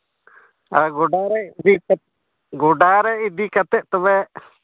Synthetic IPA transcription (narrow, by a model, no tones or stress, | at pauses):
aɡɔɖaɾɛd̪i | ɡɔɖaɾɛid̪ikət̪ɛʔt̪ɔbɛ